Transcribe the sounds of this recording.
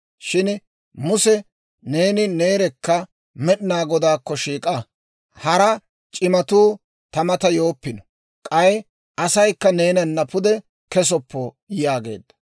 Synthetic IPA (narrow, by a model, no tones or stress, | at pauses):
ʃɪn | mʊsɛ | ne̞ːnɪne̞ːɾɛkːɐ | mɛɗɪnaːɡɔd̪aːkːɔʃiːkʼɐ | hɐɾɐ | t͡ʃʼɪmɐt̪uː | t̪ɐmɐt̪ɐjoːpːɪnɔ | kʼɐj | ɐsɐjkːɐne̞ːnɐnːɐpʊd̪ɛ | kɛs̬ɔpːɔ | jaːɡe̞̰ːd̪ːɐ̥